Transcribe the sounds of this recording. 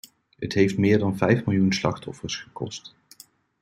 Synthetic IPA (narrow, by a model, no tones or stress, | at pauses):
ɦə̰tɦejftmɪːɹdɑnvɛjfmɪlˠjunslɑ̰χtɔfəɹsχəkɔ̰st